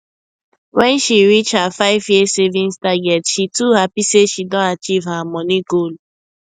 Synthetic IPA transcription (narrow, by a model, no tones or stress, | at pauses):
wɛ̃nʃiɾit͡ʃhafaɪvjesevĩnstaɡɛtʃituhapiseʃidõnat͡ʃivhamɔniɡol